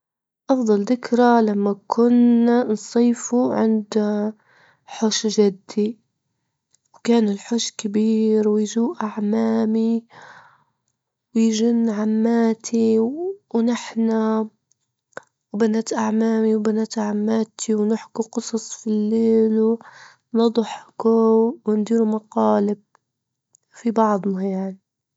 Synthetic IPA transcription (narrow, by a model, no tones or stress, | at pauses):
ʔɑfðˤɑld̪ɪkɾalamːakʰʊnːansˤiːfuʕɪ̰nd̪ | ħʊʃʒad̪ːi | wkaːnɪlħʊʃkɪbiːɾwɪjʒuːʔʔaʕmaːmi | wjʒɪnːʕamːaːt̪ʰiwnɪħna | wbanaːt̪ʔaʕmaːmiwbanaːt̪ʕamːaːt̪ʰiwnɪħkuqɨsˤɑsˤfilːeːlu | nɑd̪ˤħkuwɪnd̪iːɾumɑqɑːlɪb̚ | fibɑʕd̪ˤnajaʕni